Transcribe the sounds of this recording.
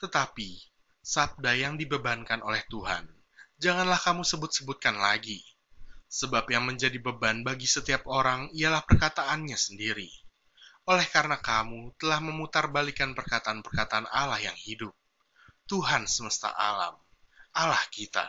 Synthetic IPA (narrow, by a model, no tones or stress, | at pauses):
t̪ət̪api | sab̚dajaŋdibəbankanʔolɛht̪uɦa̰n | d͡ʒaŋanlahkamusəbʊt̪̚səbʊt̪̚kanlaɡi | səbapjaŋməɲd͡ʒadibəbanbaɡisət̪iap̚oɾaŋijalahpərkat̪aʔːnɲasəndiɾi | olɛhkaɾənakamut̪əlahməmut̪arbalikanpərkat̪aːnpərkat̪aːna̰lahjaŋhidʊp̚ | t̪uɦansəməst̪a̰ʔa̰la̰m | alahkit̪a̰